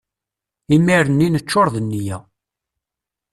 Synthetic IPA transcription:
imiɾənːinət͡ʃːoɾˤðənːijæ

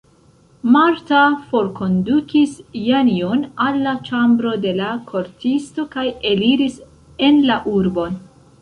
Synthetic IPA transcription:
maɾtafo̞ɾko̞ndukisjanionalːat͡ʃambɾo̞de̞lakʰo̞ɾtisto̞kaje̞liɾis | e̞nlaʔuɾbo̞n

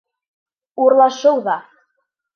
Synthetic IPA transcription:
uɾlˠɑʃɤwðɑ

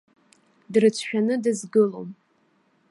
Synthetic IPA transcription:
drɨt͡sʷʰʃᶣanɨdɨzɡɨlo̰m

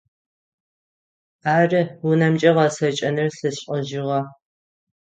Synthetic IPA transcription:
aːrɨwʊnɐmt͡ʃʼɐʁɐsɐt͡ʃʼɐnɨrɬɨɕʼəʑɪʁɐ

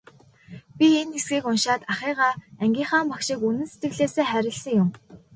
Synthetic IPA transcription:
pʲienesɡiːkʊnʃaːt̪aχiːʁaːæŋɡʲiːɴχaːmpakʃĭkunɘ̆nse̥t̪ɡɘ̆ɣɮeːseːχæɾʲɪ̆ɮsə̆ŋjʊm

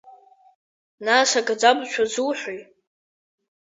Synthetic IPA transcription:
naʂaɡʼad͡zabʃʷʰazuwħʷoj

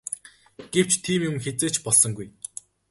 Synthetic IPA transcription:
ɡ̥ew̥t͡ɕt̪ʰiːmjʊmxet͡seːt͡ɕpɔɮsɞ̆ŋɡuj

